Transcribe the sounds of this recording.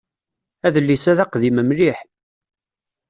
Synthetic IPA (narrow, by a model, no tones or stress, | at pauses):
æðəlːisæðæqðiməmliħ